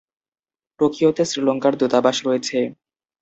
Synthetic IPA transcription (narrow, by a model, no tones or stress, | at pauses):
pɾokɾijot̪esɾiloŋkaɾd̪ut̪abaʃɾojet͡ɕʰe